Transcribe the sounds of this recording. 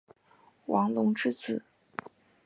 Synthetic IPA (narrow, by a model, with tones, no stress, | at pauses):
wɑ˧˥ŋlʊ˧˥ŋʈ͡ʂɻ̩˥˩t͡sʰɹ̩˨˩˦